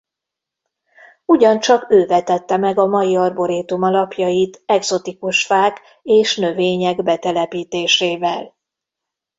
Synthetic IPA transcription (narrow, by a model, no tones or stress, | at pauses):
uɟɒnt͡ʃɒkøːvɛt̪ɛt̪ːɛmɛɡɒmɒjiɒrbo̞ɾeːt̪umɒlɒpjɒjit̪ɛɡzo̞t̪ikuʃfaːk | eːʃnø̞veːɲɛɡbɛt̪ɛlɛpiːt̪eːʃeːvɛl